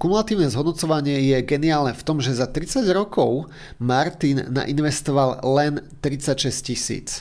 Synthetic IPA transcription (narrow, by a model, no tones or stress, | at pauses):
kumulat̪iːʊnɛzɦɔd̪nɔt͡sɔʋaɲɪɛjɛɡɛniaːlnɛft̪ɔmʒɛzat̪ɾit͡saɟɾɔkɔʊ | maɾt̪inːa̰ʔinʋɛst̪ɔʋallɛnt̪ɾit͡sacʃɛscisḭːt͡s